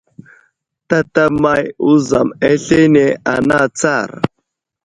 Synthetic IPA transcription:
ta˦ta˦ma˦ju˦za˨me˦ɬe˦ne˨a̰˨na˦˨t͡sa˦˨ɾ

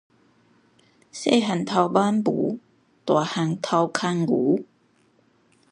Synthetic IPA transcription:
sḛ˥˩ɦa˨˩nt̪ʰa˧wbaː˦˥nbṵː˨˦ | t̪wɔ˨˩˦ha˧˩ŋt̪ʰa˧wkʰa˧ŋɡuː˨˦

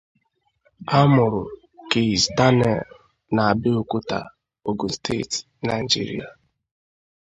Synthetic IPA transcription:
a˦mʊ˨ɾʊ˨ | ke˨i˨sta˦nɛ̰˨ | na˨a˨be˦o˨ku˦ta̰˨ | o˨ɡo˨stʰḛ˦˨tna˨d͡ʒḭ˦ɾḭ˦a˨

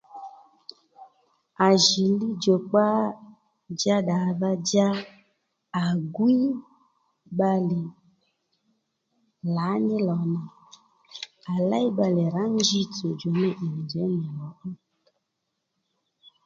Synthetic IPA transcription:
a˨ʒi˨li˦d͡ʒo˨k͡pa˦ | d͡ʒa˦da˨va˦d͡ʒa˦ | a˨ɡwi˦ | ɡ͡ba˧li˨ | la˨˦nɪ˦lɔ˨na˨ | a˨la˦i˦ba˨le˨ɾa˨˦n̩˦d͡ʒi˦to˨d͡ʒo˨ne˦ʔe˨n̩˨d͡ʒe˨˦ni˨lɔ˨ʔɔ˦˨

